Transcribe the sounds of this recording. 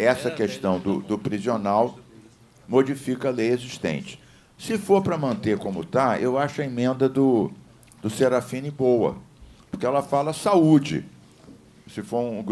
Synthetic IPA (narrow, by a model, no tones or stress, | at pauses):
ɛsɐkest̪ɐ̃w̃d̪ʊd̪ʊpɾizionaw | mod͡ʒifikɐɐlejeziʃt̪ḛ̃nt͡ʃɪ̥ | sɪfoɾpɾɐmɐ̃nt̪ekõmʊ̰t̪aewaʃʊɐemẽnd̪ɐd̪ʊ | d̪ʊseɾafĩnɪbowɐ̰poɾkɪɛlɐfalɐsaud͡ʒɪ̰ | sɪfoɾũ